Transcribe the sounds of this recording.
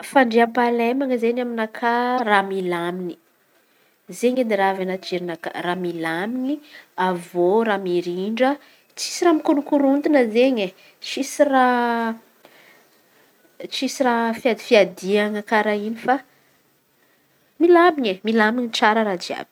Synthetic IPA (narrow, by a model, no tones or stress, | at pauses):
faɳɖ͡ʐeampalemaŋəzenaminakʰaramilamini̥ | zeɲed̪iɾavanad͡ʒeɾinaka̰ramilamiɲiavoɾamiɾiɳɖ͡ʐə | t͡si̥siɾamikunukuɾund̪inəzeɲe | t͡ʃisira | t͡ʃisirafiad̪i̥fiad̪iaŋəkaɾainifa | milamiɲemilamiɲit͡saɾəɾad͡ʒia̰b̥i̥